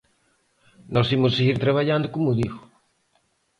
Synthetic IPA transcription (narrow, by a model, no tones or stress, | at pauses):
nɔsimosseɣiɾt̪ɾaβ̞aʎand̪okomuðiɣo